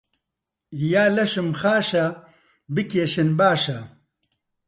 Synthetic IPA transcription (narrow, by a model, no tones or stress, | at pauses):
jaːlɐʃɨmxaːʃɐ | bɨkeːʃɨnbaːʃɐ